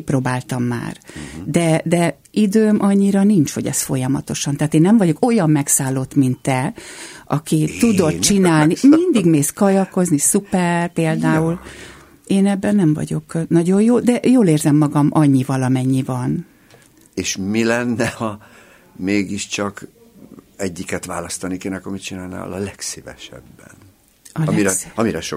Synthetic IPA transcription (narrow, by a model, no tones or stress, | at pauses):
iproːbaːlt̪ɒmːa̰ːrd̪ɛd̪ɛ | id̪øːmʔɒɲːiɾɒniɲt͡ʃho̞ɟɛ̰sfo̞jɒmɒt̪o̞ʃɒnt̪aːt̪eːnːɛɱvɒɟo̞ko̞jɒmːɛksaːlːot̪mint̪ːɛʔɒ̰kit̪ud̪o̞t̪t͡ʃinaːlnimind̪iɡmeːskɒjɒko̞znisupɛrpeːld̪aːul | eːnɛbːɛnːɛɱvɒ̰ɟo̞knɒɟo̞jjoːd̪ɛjoːleːrzɛmːɒɡɒmʔɒɲːivɒlɒmɛɲːivɒn | eːʃmilɛnːɛhɒ | meːɡiʃt͡ʃɒk | ɛɟːikɛt̪ʋa̰ːlɒst̪ɒnikeːnɛkoɾmit͡ʃinaːlna̰ːlɒlɛksivɛ̰ʃɛ̰bːɛ̰n | ɒliɾɒmiɾɛʃo